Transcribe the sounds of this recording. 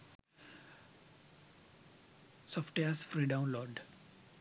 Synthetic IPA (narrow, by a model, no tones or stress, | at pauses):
sɔfʈeasfɾiːɖãʊ̃nlɔːɖ